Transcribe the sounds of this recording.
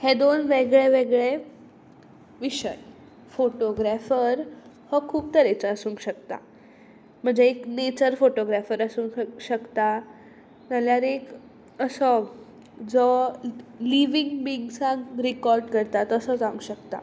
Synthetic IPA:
hed̪onʋeɡɭeʋeɡɭe | ʋiɕə̰j | foʈoɡɾafəɾ | hɔkʰuːb̚t̪əɾet͡səəsũːŋɡɕəkt̪a̰ | m̤əɳd͡zeːknet͡ɕəɾfoʈoɡɾafəɾəsuːŋɕəkt̪a | nəljaɾek | əsə | d͡zɔ | liʋiŋɡbiːŋɡsãŋɡɾikɔɾɖkəɾt̪at̪əsəd͡zãũŋɡɕəkt̪a̰

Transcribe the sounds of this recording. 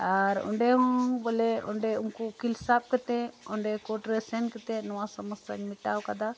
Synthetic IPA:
aɾɔ̰ɳɖɛɦɔ̃ŋbɔlɛɔ̰ɳɖɛuŋkukilsap̚kɛt̪ɛɔɳɖɛkɔʈɾɛsɛnkɛt̪ɛnɔwasɔməsa̰ɲmiʈawkad̪a

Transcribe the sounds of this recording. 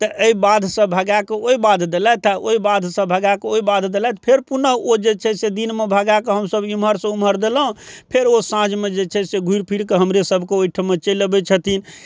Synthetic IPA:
t̪əʔəibad̪ʱsə̃bʱəɡakeoibad̪ʱd̪elɛt̪ɛoibad̪ʱsə̃bʱəɡakeoibad̪d̪elɛt̪pʰeɾpunəɦod͡ʒet͡ʃʰɛsed̪inmebʱəɡakeɦəmsəbimɦəɾsə̃uməɾd̪elə̃pʰeɾosãd͡ʒmed͡ʒet͡ʃʰɛseɡʱuiɾpʰiɽkeɦəmɾesəbʱkeoiʈʰəmet͡ʃələbɛt͡ʃʰət̪in

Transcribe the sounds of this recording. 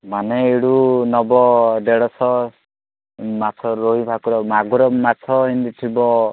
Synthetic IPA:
maneeɽunɔbɔd̪eɽɔsɔ | mat̪ʰɔɾoɦibʱakuɾɔmaɡuɾɔmat̪ʰɔɦind̪it̪ʰibɔ

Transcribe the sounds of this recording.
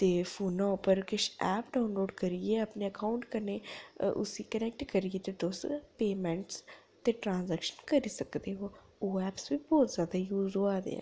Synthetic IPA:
t̪eːfʰuːnãːʊpəɾkɪʃɛːpɖaːʊnloːɖkəɾieːəpneːəkaːʊɳʈkəneːʔʊ̰siːkənɛːk̚ʈkəɾieːt̪eːd̪oːspeːmɛ̃ːɳʈs | t̪eːʈɾãːnzɛːkʃənkəɾiːsəkd̪eːɦoː | oːɛːpsbiːbɔːt̪zjaːd̪aːjuːzoaːd̪ḛːɛ̰̃ː

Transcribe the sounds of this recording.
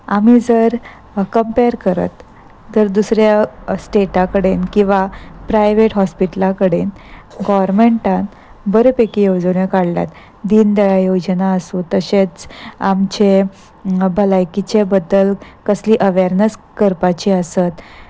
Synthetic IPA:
am̤id͡zəɾ | kəmpeɾkəɾə̰t̪ː | əɾd̪usɾjasʈeʈakəɽenkĩw̃ʋapɾajʋeʈɦɔspiʈəlakəɽen | ɡɔʋɾmeɳʈãn | bəɾəpekijowd͡zəɳjəkaɽla̰t̪ | d̪iːnd̪əjajod͡ʑnaəsut̪əɕet͡samt͡ɕe | bəlajkit͡ɕebəd̪ːəlkəsliːʔəʋeɾnəskəɾpat͡ɕiəsət̪

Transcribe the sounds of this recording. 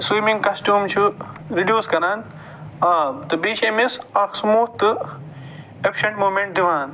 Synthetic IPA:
swiːmĩŋɡkɐsʈjuːmt͡ʃʰu | ɾiɖjuːskɐɾaːn | aːt̪ɨbiːʃeːmisɐksmoːt̪ɨ | ekʃɐɳʈmoːmeɳʈ̚d̪iʋaːn

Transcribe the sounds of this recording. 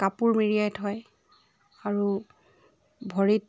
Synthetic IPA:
kapuɹmiɹijajtʰɔj | aɹu | bʱɔɹit

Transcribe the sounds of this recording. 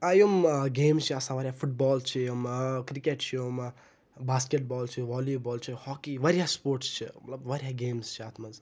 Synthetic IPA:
aːjəmɡeːmzt͡ʃʰiasãːʋɐɾʲjafuʈ̚bɔːlt͡ʃʰiomkɾikeʈt͡ʃʰiom | baːskeʈ̚bɔːlt͡ʃʰiʋɔːlibɔːlt͡ʃʰihɔːkiʋɐɾjaspoːɾʈst͡ʃʰḭmɐt̪ləbʋɐɾjaɡeːmst͡ʃʰiat̪ʰmɐz

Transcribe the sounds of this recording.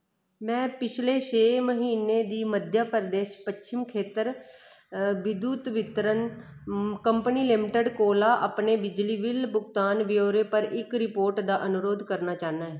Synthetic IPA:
mɛ̃ːpɪt͡ʃʰleːʃeːməɦiːneːd̪iːməd̪ʱjaːpəɾd̪eːʃpəʃɪmkʰeːt̪əɾ | ʋɪd̪uːt̪ʋɪt̪ɾən | kəmpniːlɪmɪʈəɖkoːlaːʔa̰pneːbɪd͡ʒliːʋɪlbʊɡt̪aːnʋɪoːɾeːpəɾɪkɾɪpoːɾʈd̪aːʔənʊɾoːd̪kəɾnaːt͡ʃaːnaːɦɛː

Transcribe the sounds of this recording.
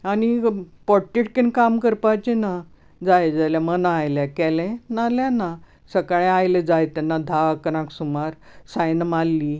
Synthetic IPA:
añipɔʈːiʈkinkamkəɾpajt͡ɕena | d͡zajd͡zajljamənajljakɛlɛ̃naljãna | səkɭẽajled͡zajt̪ɛnːad̪ʱakəɾãksumaɾsajnmalːi

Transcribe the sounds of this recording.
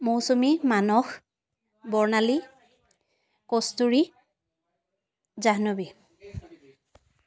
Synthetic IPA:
mowsumimanɔx | bɔɹnali | kɔstuɹi | zaɦnobi

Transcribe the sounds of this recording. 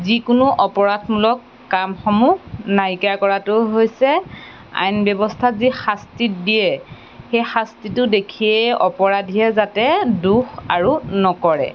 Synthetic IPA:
zikʊnʊʔɔpɔɹadmulɔkːamxɔmunajkakɔɹatʊɦojsɛ | a̰jnbjɔbɔstʰazixastitdijɛ | xejxastitʊdekʰijɛɔpɔɹadʱijɛzatɛduxaɹunɔkɔɹɛ̰

